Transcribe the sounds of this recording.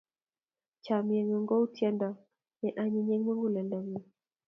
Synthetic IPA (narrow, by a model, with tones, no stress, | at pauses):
t͡ʃa˨mje˨ŋɔ˨ŋɡɔ˦u˦tʰjɛ˦ndɔ˨ | nɛ˨ʔa˦ɲi˦ɲɛ˦ŋma˦ŋɡu˦lɛ˨nda˨mi˨